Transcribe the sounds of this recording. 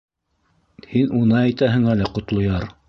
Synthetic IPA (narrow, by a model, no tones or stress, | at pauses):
hinunɤæjt̪æɦɘ̆ŋælæqŏt̪lˠŏjɑɾ